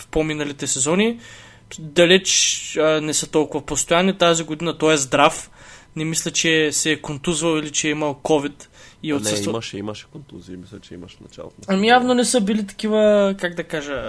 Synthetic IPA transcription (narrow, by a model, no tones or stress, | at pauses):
fpominɐlit̪ɛsɛzɔni | d̪ɐlɛt͡ʃənɛsət̪ɔlˠkʊvɐpost̪ojanit̪aziɡod̪inɐt̪ɔɛzd̪ɾafnɛmislʲɛt͡ʃɛsɛːkont̪uzvəlˠilit͡ʃɛimɐlˠkɔvit̪iɛot̪əsməʃɛimɐʃɛ̥kont̪uziːmislʲɛt͡ʃɛḭmɐʃnɐ̰t͡ʃa̰lˠoɐmijavnonɛsɤbilit̪ɐ̥kivəkaɡd̪ɐkaʒə